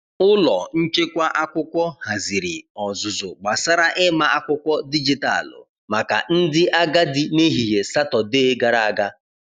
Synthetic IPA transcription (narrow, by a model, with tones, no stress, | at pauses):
ʊ˦lɔ˨n̩˦t͡ʃe˦kʷa˦ʔa˦kʷʊ˦kʷɔ˦ha˨zi˨ɾi˨ɔ˨zʊ˨zʊ˨ɡ͡ba˨sa˦ɾa˦ʔɪ˦ma˦ʔa˦kʷʊ˦kʷɔ˦di˦d͡ʒi˦ta̰˦˨lʊ̰˨ | ma˨ka̰˨n̩˦dɪ˦ʔa˦ɡa˦dɪ˦me˦ɦi˨ɦe˨sa˦tɔ˨deː˦ɡa˨ɾa˨a˨ɡa˦